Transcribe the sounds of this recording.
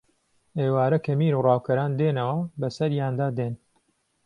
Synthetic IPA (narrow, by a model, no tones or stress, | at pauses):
ʔeːwaːɾɐkʰɐmiːɾuːrɑːwkʰɐɾaːnd̪eːnɐwɐbɐsɐɾjaːnd̪aːd̪eːn